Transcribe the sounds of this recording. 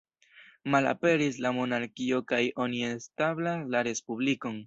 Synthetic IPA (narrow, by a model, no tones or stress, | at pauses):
mala̰pe̞ɾis̬lamo̞naɾkio̞kajo̞niestablaslaɾe̞spubliko̞n